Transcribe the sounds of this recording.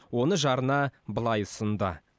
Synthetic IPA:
wo̞nəʒɑɾənɑbəlˠɑjʊsənd̪ə̰

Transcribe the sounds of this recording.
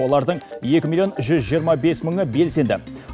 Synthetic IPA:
olˠɑɾd̪əɴje̞kʲɪmilijo̞nʒʏzʒijəɾmɑbe̞sməɴəbe̞lse̞nd̪ɪ

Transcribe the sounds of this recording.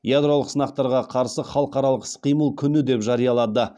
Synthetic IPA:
jad̪ɾo̞lˠəqsənɑq̚t̪ɑɾʁɑqʰɑɾsəχɑlˠəqɑɾɑlˠəqsqijməlˠkʲʰʏnɪd̪e̞pʒɑɾijɑlˠɑd̪ə

